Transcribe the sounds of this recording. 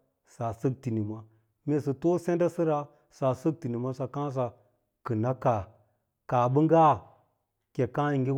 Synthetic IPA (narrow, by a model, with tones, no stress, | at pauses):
sa˨sɨ˦k̚ti˨ni˨ma˦ | me˨˦˨sɨ˨to˦se˦nda˦si˦ɾa˦ | sa˨sə˦k̚ti˨ni˨ma˦sa˨kã˦s̬a˨ | kɨ˨na˦ka˨ | ka˨bɨ˦ŋɡa˦˨ | ke˨kã˦i˨ŋɡi˦